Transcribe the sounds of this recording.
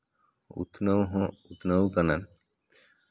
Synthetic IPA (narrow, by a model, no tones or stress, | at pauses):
ṵt̪nowɦɔ̃ut̪nowkanan